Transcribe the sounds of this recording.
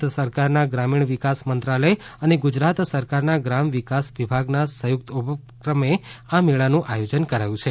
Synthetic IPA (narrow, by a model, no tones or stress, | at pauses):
səɾkaɾnaɡɾamiɳʋikasmənt̪ɾaləjəneɡʊd͡ʒɾat̪səɾkaɾnaɡɾamʋikasʋibʱaɡnasəjʊk̚t̪ubʱə | kɾəmeameɭanũʔajod͡ʒənkəɾajũt͡ʃʰe